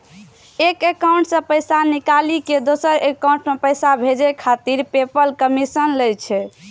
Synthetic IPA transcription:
ekekaw̃ɳʈsə̃pəjsanikaliked̪osəɾekaw̃ɳʈmepəjsabʱed͡ʒekʰat̪iɾpepəlkəmisənləjt͡ʃʰɛ

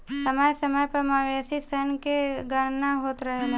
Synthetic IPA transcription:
səməjsəməjpəɾmaʋesisənkeɡəɾnaɦoːt̪ɾɐɦel

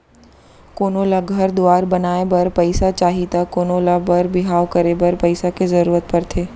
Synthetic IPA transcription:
koːnoːlaɡʱɐɾd̪oaːɾbɐnaːebɐɾpɐɪsat͡ʃaːɦit̪akoːnoːlabɐɾbɪɦaːʋkəɾebɐɾpɐɪsakezɐɾuːɾət̪̚pɐɾt̪ʰeː

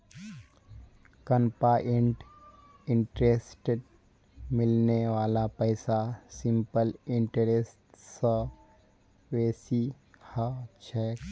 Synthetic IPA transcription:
kəmpaʔeɳʈ | ɪɳʈɾesʈeɖ | mɪlneʋaːlapəɪsasɪmpəlɪɳʈəɾesʈsə | ʋeːsi | hət͡ʃʰɛ

